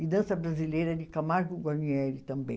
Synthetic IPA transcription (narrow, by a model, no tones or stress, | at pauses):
id̪ɐ̃sɐbɾazilejɾɐd͡ʒɪkamaɾɡʊɡwaniɛlit̪ɐ̃mbḛ̃j̃